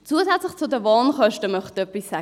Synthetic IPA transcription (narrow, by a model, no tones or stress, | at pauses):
t͡suəzɛt͡slɪχt͡sʊdəvɑːnχœʃtəmœχtœpːisːæ